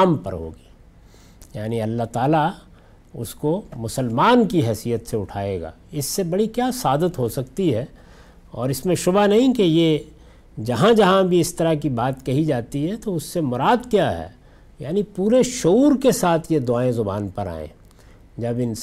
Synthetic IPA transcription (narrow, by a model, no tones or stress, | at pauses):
mpɐɾɦo̰ːɡiː | jaːniɐlːaɦt̪aːla | ʊ̰skomʊsəlmaːnkiɦɛːsijət̪seʊʈʰaːeːɡa̰ːɪsːebɐɽikjaːsaːd̪ət̪ɦosɐkt̪iɦɛː | ɔːɾɪsmẽʃʊbanɐɦĩkeje | d͡ʒɐɦãd͡ʒɐɦãbʱiɪst̪ɐɾakibaːt̪kɐɦid͡ʒaːt̪iɦɛt̪oʊsːemʊɾaːd̪kjaɦɛ̰ː | ja̰ːnipuːɾeʃouːɾkesaːt̪ʰjed̪ʊaːẽzʊba̰ːnpɐɾa̰ːḛ̃ː | d͡ʒɐbɪn